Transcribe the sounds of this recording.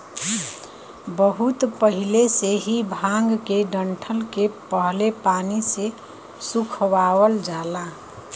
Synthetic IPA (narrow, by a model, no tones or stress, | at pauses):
bəɦut̪pəɦileseɦibʱãŋɡkeɖəɳʈʰəlkepəɦlepanise | sukʰwawəld͡ʒala